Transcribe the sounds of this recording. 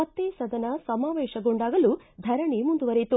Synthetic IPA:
ɐt̪ːeːsɐd̪ɐnɐsɐmaːʋeːʃɐɡoɳɖaːɡɐlu | d̪ʱɐɾɐɳimund̪uʋɐɾet̪u

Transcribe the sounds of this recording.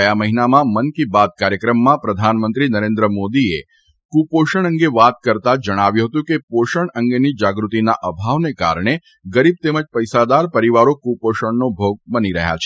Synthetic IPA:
əjaməɦinamãmənkibad̪̚kaɾjəkɾəmːãpɾəd̪ʱanmə̃nt̪ɾinəɾẽnd̪ɾəmod̪iḛ | kupoʃəɳ̃əŋɡeʋat̪kəɾt̪ad͡ʒəɽ̃aʋjũɦət̪ũkepoʃəɳəŋɡenid͡ʒaɡɾut̪inaʔəbʱaʋneka̰ɾɳ̃e | ɡəɾib̚t̪eməd͡ʒpəjsad̪aɾpəɾiʋaɾokupoʃəɳnobʱoɡ̚bəniɾəɦja̰t͡ʃʰe

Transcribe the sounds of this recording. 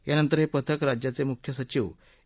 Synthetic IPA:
janənt̪əɾɦepət̪ʰəkɾad͡ʑjat͡semukʰjəsət͡ɕiʋ

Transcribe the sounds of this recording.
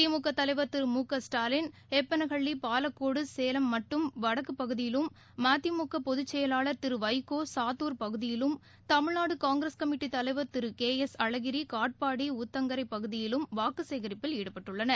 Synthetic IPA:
ɪɐmuːkːɐt̪ːɐlɐɪʋɐɾt̪ɪɾɯmuːkːɐsʈaːlɪn | ɛpːɐnɐɣɐɭːipaːlɐkːoːɽɯseːlɐmːɐʈːɯmʋɐɽɐkːɯpːɐɣɯðɪjɪlɯmː | aːt̪ːimʊkːɐpɔðɯt͡ʃːɛjɐlaːɭɐɾt̪ɪɾɯʋɐɪkoːsaːt̪uːɾpɐɣɯðɪjɪlɯm | t̪ɐmɪɭnaːɽɯkaːŋɡɪɾɐskɐmɪʈːit̪ɐlɐɪʋɐɾt̪ɪɾɯkeːɛsɐɻɐɣɪɾikaːʈ̚paːɽiʊt̪ːɐŋɡɐɾɐɪpːɐɣɯðɪjɪlɯmʋaːkɯseːɣɐɾɪpːɪleːɽɯpːɐʈːɯɭːɐnɐ

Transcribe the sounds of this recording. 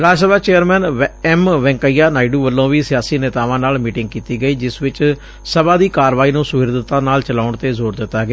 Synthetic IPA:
ɾaːd͡ʒsəbaːt͡ʃeːəɾmɛːnɛmʋɛ̃ːŋkəiːjaːnaːɪɖuːʋəlːõːʋiːsɪjaːsiːnɛːt̪aːʋãːnaːlmiːʈɪŋɡ̚kiːt̪iːɡəiːd͡ʒɪsʋɪt͡ʃ | səbãːd̪iːkaːɾʋaːiːnũːsʊɦɪɾd̪ət̪ːãːnaːlt͡ʃəlaːʊɳt̪eːzoːɾd̪ɪt̪ːaːɡː

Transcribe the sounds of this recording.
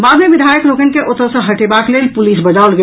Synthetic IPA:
bad̪meʋid̪ʱajəkɾokənkeʔot̪əsə̃ɦəʈebaklelpulisbəd͡ʒalɡe

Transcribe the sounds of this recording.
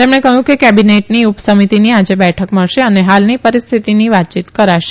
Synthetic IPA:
t̪emɳ̃ekəjũkekɛbineʈniupsəmit̪iniad͡ʒebɛʈʰəkməɭʃeəneɦalnipəɾist̪ʰit̪iniʋat̪̚t͡ʃit̪kəɾaʃe̥

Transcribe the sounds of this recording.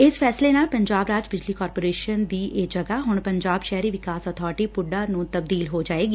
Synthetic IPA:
ɪspʰɛːslenaːlpə̃ɲd͡ʒaːbɾaːd͡ʒbɪd͡ʒliːkɔːɾpoːɾeːʃənd̪iːʔed͡ʒəɡaɦʊɳpəɲd͡ʒaːbʃɛɦɾiːʋɪkaːsɔːt̪ʰɔːɾʈiːpʊɖaːnũːt̪əb̚d̪iːlɦoːd͡ʒaːeːɡi

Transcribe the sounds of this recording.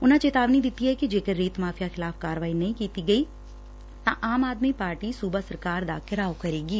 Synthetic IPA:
ʊn̤ãːt͡ʃeːt̪aːʋnid̪ɪt̪ːiɦɛːkid͡ʒeːkəɾːeːt̪maːpʰɪjaxʰɪlaːpʰkaːɾəʋaːinɐĩːkiːt̪iɡəiː | t̪ãːʔaːmaːd̪mipaːɾʈiːsuːbasəɾkaːɾd̪a̰ːkɪɾaːokəɾeːɡiː

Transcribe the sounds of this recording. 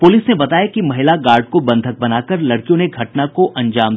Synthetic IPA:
pʊliːsnebɐt̪aːjakimɐɦɪlaɡaːɾɖ̚kobɐ̃nd̪ʱək̚bɐnaːkəɾlɐɽkijõneɡʱɐʈnakoʔɐ̃ɲd͡ʒaːm

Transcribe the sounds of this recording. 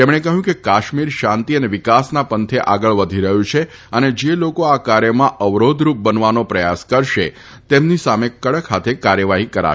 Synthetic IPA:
t̪emɽ̃ekəɦjũkekaʃmiɾʃãnt̪iəneʋɪkasnapənt̪ʰeʔaɡəɭʋəd̪ʱiɾəɦjũt͡ʃʰe | əned͡ʒelokoakaɾjəmãʔəʋɾod̪ʱɾup̚bənʋanopɾəjaskəɾʃe | t̪emnisamekəɽəkʰːat̪ʰekaɾjəʋaɦikəɾa̰

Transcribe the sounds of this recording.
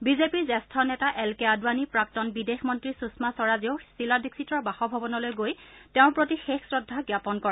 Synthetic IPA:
bizepiɹzɛstʰɔnɛtaʔɛlkɛadwanipɹak̚tɔnbidexmɔntɹisusmasɔɹaziʊsiladiksitɔɹbaxɔbʱɔbɔnɔlojɡojtɛʊ̃pɹotixexsɹɔdʱːaɡjapɔnkɔɹɛ

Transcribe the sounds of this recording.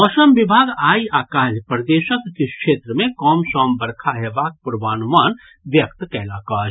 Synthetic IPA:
ɔːʃəmʋɪbʱaːɡaːiaːkaːlpɾɐd̪eːʃəkːekʃeːt̪ɾəmẽkɔːmʃɔːmbɐɾkʰaɦeʋaːk̚pʊɾʋaːnʊmaːn | ʋjɐkt̪kɛːlaːkaː

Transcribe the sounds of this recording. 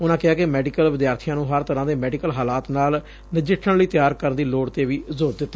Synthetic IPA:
ʊnãːkɪɦaːkɪmɛːɖikəlʋɪd̪jaːɾt̪ʰijãːnũːɦəɾt̪əɾãːd̪eːmɛːɖikəlɦaːlaːt̪naːl | nɪd͡ʒɪʈʰːəɽləiːt̪ɪjaːɾkəɾnd̪iːloːɽt̪eːʋiːzoːɾd̪ɪt̪ːaː

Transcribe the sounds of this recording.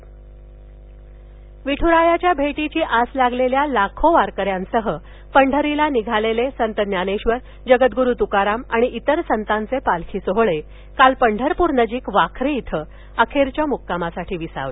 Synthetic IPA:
ʋiʈʰuɾajat͡ɕjabʱeʈit͡ɕiːʔaslaɡleljalakʰoʋaɾkəɾjãnsəɦə | pəɳɖʱəɾilaniɡʱalelesənt̪ənjaneɕʋəɾ | d͡ʑəɡət̪̚ɡuɾuːt̪ukaɾamaɽ̃iʔit̪əɾsənt̪ant͡sepalkʰiːsoɦɭe | kalpəɳɖʱəɾpuɾnəd͡ʑiːkʋakʰɾiːt̪ʰə | əkʰeɾt͡ɕjamukːamasaʈʰiːʋisa̰ʋe

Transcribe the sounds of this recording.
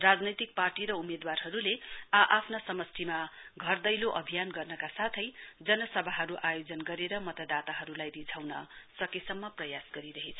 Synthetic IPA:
rad͡znʌjt̪ik̚parʈiɾʌumed̪warɦʌɾuleaʔapʰnasʌmʌst̪ʰimaɡʱʌrd̪ʌjloʔʌbʱijanɡʌrnʌkasat̪ʰʌjd͡zʌnʌsʌbʱaɦʌɾuʔajod͡zʌnɡʌɾeɾʌmʌt̪ʌd̪at̪aɦʌɾulajrid͡zʰʱawnʌ̰sʌkesʌmːʌprʌjasɡʌɾiɾʌɦet͡sʰʌ

